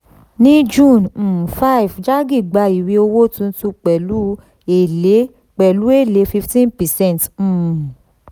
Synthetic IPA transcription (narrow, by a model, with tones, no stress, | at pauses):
nĩ˦d͡ʒũ˦˨ñ̩˨fa˦i˨vd͡ʒa˦ɡi˦˨ɡ͡ba˧i˨wi˧˦o˧wo˦tũ˧n̩˦tũ˧k͡pɛ˨lu˨˦ | e˨le˨˦ | k͡pɛ˨lu˨˦e˦˨le˨˦fi˧ftĩ˦npɛ˨sɛ̃˦n˨t̩ː˨